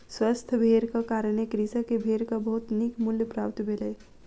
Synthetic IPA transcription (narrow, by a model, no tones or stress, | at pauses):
swəst̪ʰəbʱeɾkʌkaɾəñekɾisəkebʱeɾkəbəɦut̪nikmuljəpɾapt̪bʱelɛ